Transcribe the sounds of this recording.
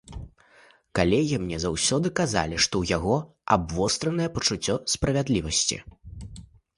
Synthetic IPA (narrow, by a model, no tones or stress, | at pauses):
kalʲɛɣʲimnʲɛzawsʲɔd̪ɨkaza̰lʲiʂt̪ɔwjaɣɔ | a̰bvɔst̪ɾɐnɐjɛpɐt͡ʂut͡sʲːɔspɾɐvʲad̪lʲivɐsʲt͡sʲḭ